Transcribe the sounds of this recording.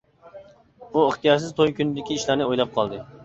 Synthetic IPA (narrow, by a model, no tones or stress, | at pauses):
uəχt̪ijɑɾs̬ɪzt̪ʰojkʲynɪd̪ɪkʲiiʃlæɾnɪojlˠɑp̚qʰɑlˠd̪ɨ